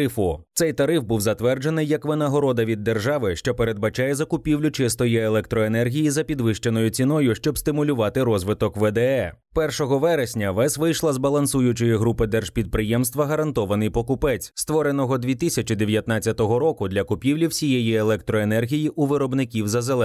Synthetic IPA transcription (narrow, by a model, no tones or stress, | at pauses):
ɪfʊt̪sɛjt̪ɐɾɪfbuwzɐt̪ʋɛrd͡ʒenɪjːɐkʋɪnɐɦɔɾɔd̪ɐʋʲid̪ːerʒɑʋɪʃt͡ʃɔpeɾe̞d̪̚bɐt͡ʃɑjɛzɐkʊpʲiwlʲʊt͡ʃɪst̪ɔjielˠɛkt̪ɾɔenɛrɦʲijizɐpʲid̪ʋɪʃt͡ʃenɔjʊt͡sʲinɔjʊʃt͡ʃɔbst̪ɪmʊlʲʊʋɑt̪ɪɾɔzʋɪt̪ɔkʋɛd̪ɛɛ | pɛrʃɔɦɔʋɛɾesʲnʲɐʋɛsʋɪjʃlˠɐzbɐlˠɐnsujʊt͡ʃɪjiɦɾupɪd̪ɛrʒ̥pʲid̪̚pɾɪjɛmst̪ʋɐɦɐɾɐnt̪ɔʋɐnɪjpɔkʊpɛt͡sʲst̪ʋɔɾenɔɦɔd̪ʲʋʲit̪ɪsʲɐt͡ʃid̪eʋʲjɐt̪nɑt͡sʲːɐt̪ɔɦɔɾɔkʊd̪lʲɐkʊpʲiwlʲiwsʲijejielˠɛk̚t̪ɾɔenɛrɦʲijiʔuʋɪɾɔbnɪkʲiwzɐzelˠɛ